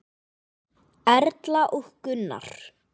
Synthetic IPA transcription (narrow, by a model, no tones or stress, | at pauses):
ɛɾt̪laʔuhkʏnːa̰ɾ̥